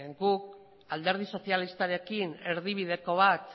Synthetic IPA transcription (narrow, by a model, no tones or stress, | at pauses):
ɡuk | ald̪e̞ɾð̞iso̞sialist̪aɾe̞kine̞ɾðiβiðe̞ko̞β̞at̪